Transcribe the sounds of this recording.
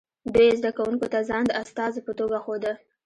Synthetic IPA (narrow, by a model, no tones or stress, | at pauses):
bezd̪akawuŋkot̪azɑnd̪ast̪ɑzepət̪oɡaxod̪ə